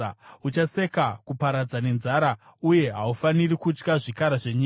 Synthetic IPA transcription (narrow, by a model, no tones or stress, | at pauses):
ut͡ʃase̞kakupaɾad͡zane̞nzaɾa | uje̞ɦaufanirikut͡ʃkaʐikaɾaʐeɲi